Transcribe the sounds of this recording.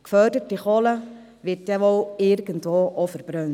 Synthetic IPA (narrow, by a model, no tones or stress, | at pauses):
kfœdətːiχɔlə | ʋɪtjaʋɔlɪɾɡəntʋoːʔɔfəɾb̥ɾœn